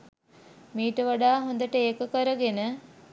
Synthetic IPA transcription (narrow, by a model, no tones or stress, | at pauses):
miːʈəʋaɖaːɦond̪əʈəeːkəkəɾəɡenə